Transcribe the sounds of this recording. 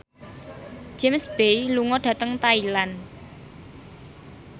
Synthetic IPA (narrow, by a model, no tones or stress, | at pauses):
d͡ʒ̥emsb̥ejluŋɔɖ̥ä̤t̪əŋt̪ailan